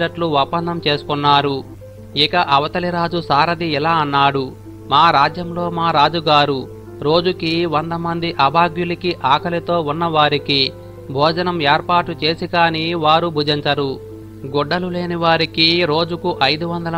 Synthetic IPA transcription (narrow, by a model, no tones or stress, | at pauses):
ɐʈluʋɐpːɐnd̪ɐmt͡ʃe̞ːsu̥kunːaːɾu | ikɐʔɐʋɐt̪ɐliɾaːd͡ʒusaːɾɐd̪iilaːɐnːaːɽu | maːɾaːd͡ʒjɐmlo̞ːmaːɾaːd͡ʒuɡaːɾu | ɾo̞ːd͡ʒukiʋɐnd̪ɐmɐnd̪iʔɐbʱaːɡjulikiʔaːkʰɐlit̪o̞ːunːɐʋaːɾiki | bʱɔːd͡ʒɐnɐmeːɾpaːʈut͡ʃe̞ːsikaːniːʋaːɾubʱud͡ʒiɲt͡ʃɐɾu | ɡɔɖːɐlule̞ːniʋaːɾikiɾo̞ːd͡ʒukuʔɐjd̪uʋɐnd̪ɐlɐ